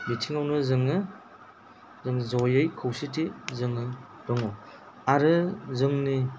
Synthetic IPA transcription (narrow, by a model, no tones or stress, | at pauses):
nitʰiŋawnɯzɯŋɯ | zɯŋzɔjɯjkʰɯwsitizɯŋɯ | d̥ɔŋɔ | aɾɯzɯŋni